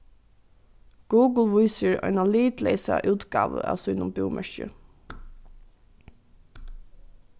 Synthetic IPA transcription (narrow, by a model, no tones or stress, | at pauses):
ɡ̥uːɡl̩ˠʋuɪsəɹɑ̰ɪnɑliːt̪leɪsɑʔʉːt̪ɡɑ̰ːʋəʔɑ̰sɔɪnʊmbʉːmʔœʃə̰